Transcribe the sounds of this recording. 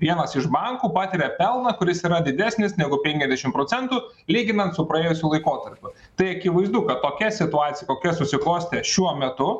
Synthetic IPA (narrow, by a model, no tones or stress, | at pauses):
ʋʲiɛnɐsɪʒbɑŋkuːpɑːt̪ʲɪɾʲɛpʲɛlˠnɐkʊɾʲɪsiːɾɐd̪ʲɪd̪ʲæːsʲnʲɪsnʲæɡʊpʲɛŋʲkʲɛzʲd̪ʲɛʃʲɪmpɾoːt̪sʲɛnt̪uː | lʲiːɡʲɪnɐnt̪sʊpɾɐeːjʊsʲuːlˠɐɪkoːt̪ɐɾʲpʲʊ | t̪ɐɪɐkʲɪʋɐɪzd̪ʊkɐt̪tːoːkʲɛsʲɪt̪ʊɑːt̪sʲɪjɛkoːkʲɛsʊsʲɪklˠoːsʲt̪ʲeʃʲuɔmʲɛt̪ʊ